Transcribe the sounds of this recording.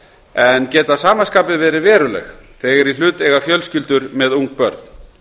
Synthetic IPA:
ɛncɛːt̪asaːmaskaːpɪvɛːɾɪvɛːɾʏlɛ̰xθɛːɣɛɾil̥ʏːt̪ɛɣafjœlscɪlt̪ʏɾmɛðuŋk̚pœɾt̪n

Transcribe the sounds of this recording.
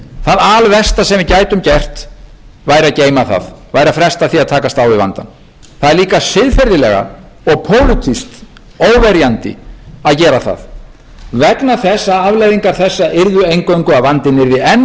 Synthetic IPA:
θaðalvɛst̪asɛmvɪðcaːjt̪ʏmcɛr̥t̪ | vaːjɾaceːjmaθa̰ðvaːjɾafɾɛst̪aθiaðt̪ʰaːkast̪awvɪva̰nt̪a̰n | θaðɛɾliːkasɪðfɛɾðɪlɛɣa̰ | ɔɣpʰoːwlʏt̪ʰist̪ | oːwvɛɾjant̪ɪ̰aðcɛːɾaθa̰ð | vɛknaθɛsːaavlajðiŋkaɾ̥θɛsːaʔɪɾðʏejŋkoɥŋkʏavant̪ɪnːɪɾvɪɛn

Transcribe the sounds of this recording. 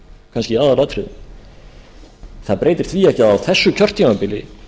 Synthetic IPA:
kʰanscɪaːðalat̪ɾɪðɪn | θaðpɾejt̪ɪɾ̥θviːɛhcaðawθɛsːʏcʰœr̥t̪jimapɪlɪ̰

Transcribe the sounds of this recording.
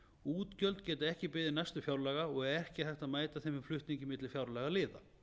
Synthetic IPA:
uːt̪cœlt̪cɛːt̪ɪɛhcɪpɪːðɪɾnajst̪ʏfjawɾlɛɣaɔɣɛɾɛhcɪθajht̪aðmaːjt̪aθejmɪflʏht̪niɲcɪmɪt̪lɪfjawɾlɛɣalɪːða̰

